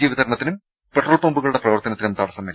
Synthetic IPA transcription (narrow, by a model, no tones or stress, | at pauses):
iːʋid̪ʱɐɾɐɳɐt̪ːinum | peʈːroːlpombuɣɐɭuɽe̞prɐʋɐrt̪ɐnɐt̪ːinumt̪ɐːɽɐsɐmel